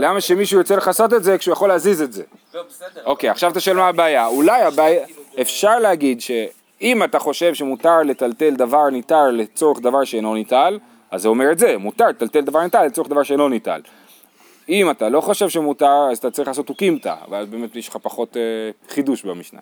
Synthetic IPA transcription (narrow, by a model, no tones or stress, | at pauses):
lamaʃe̞miʃujʁot͡se̞leχaso̞t̪̬etze̞kʃeujaχo̞leazize̞tze̞̰ | o̞kejaχʃavat̪aʃoelmaːbeajaulajabajaefʃaʁlehaɡid̪ʃe | imataχo̞ʃe̞vʃemutaʁle̞t̪alte̞ld̪avaʁnitaʁle̞t͡so̞ʁeχd̪avaʁʃeenlo̞nital | azːeo̞me̞ʁetze̞mut̪aʁlet̪alt̪e̞ld̪avaʁnit̪alːet͡so̞ed̪avaʁʃeenlonita̰l | imatalo̞χo̞ʃe̞vʃemutaʁazat̪at͡saʁiχlaːso̞t̪ukimt̪a̰velabe̞ːme̞tmiʃχapaχo̞teχiduʃbamiʃna̰